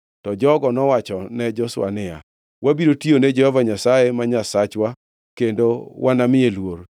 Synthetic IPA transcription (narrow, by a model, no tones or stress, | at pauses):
tɔd͡ʒɔɡɔnɔwat͡ʃɔnɛd͡ʒɔsʊa̰nɪja̰ | wʔabiɾotionɛd͡ʒɛhɔvaɲasajemaɲasat͡ʃwa | kendowʔanamɪelwoɾ